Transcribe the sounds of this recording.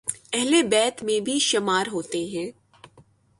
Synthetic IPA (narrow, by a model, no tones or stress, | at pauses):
ɛɦlebɛːt̪mẽbʱiʃɐmaːɾɦoːt̪eɦɛ̃ː